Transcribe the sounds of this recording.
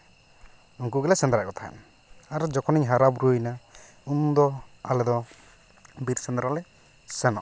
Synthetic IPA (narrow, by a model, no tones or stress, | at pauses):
uŋkuɡɛlɛsɛnd̪ɾakɔt̪ʰaɛ̰n | aɾɔd͡ʒɔkʰɔniɲɦaɾabɾujna | und̪ɔalɛd̪ɔ | biɾsɛnd̪ɾalɛ | sɛnɔ̰